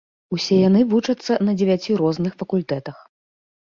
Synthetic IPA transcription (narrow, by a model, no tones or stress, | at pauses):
usʲɛjanɨvut͡ʂɐt̪sːɐnɐd͡zʲɪvʲat͡sʲiɾɔznɨxfɐkulʲt̪ɛt̪ɐx